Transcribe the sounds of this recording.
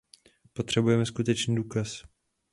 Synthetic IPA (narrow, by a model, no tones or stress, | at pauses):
po̞t̪r̝̥ɛbujɛmɛskut̪ɛt͡ʃniːduːkas